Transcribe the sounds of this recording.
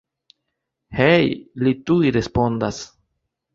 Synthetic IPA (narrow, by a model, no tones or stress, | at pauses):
hejlituiɾe̞spo̞ndas